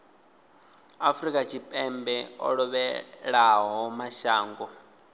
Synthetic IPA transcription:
afɾikʼat͡ʃʰipʼɛmbɛɔ̰ɺɔβɛɺaɦɔmaʃaːŋɡɔ

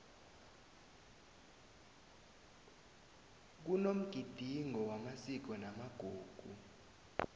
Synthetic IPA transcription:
k̬unom̩ɡ̥ʱid̥ʱiŋʱɔwamasik̬ɔnamaɡ̥ʱuːɡ̥ʱu

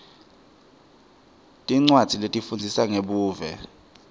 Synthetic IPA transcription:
tʼiŋ͡ǀwad̥ʱiletʼifund͡zʱisaŋeɓuːvɛ̰

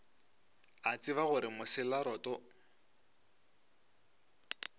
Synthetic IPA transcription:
at͡sɪβaɣʊɾɪmʊsɪlaɾɔːtɔ

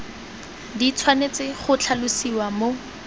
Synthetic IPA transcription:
dit͡sʰwanet͡sɪχʊt͡ɬʰalʊsiwamo

